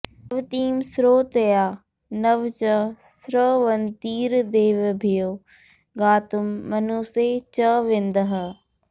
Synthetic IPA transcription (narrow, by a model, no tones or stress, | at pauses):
ʋt̪iːmsɾoːt̪əjaː | nɐʋt͡ɕəsɾəʋɐnt̪iːɾd̪eːʋbʱijoː | ɡaːt̪ʊmːɐnuːset͡ɕəʋẽːnd̪əɦə